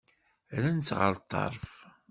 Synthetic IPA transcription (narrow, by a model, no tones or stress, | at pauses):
ɾænsʁə̰ɾt̪ˤːɑ̰ɾˤf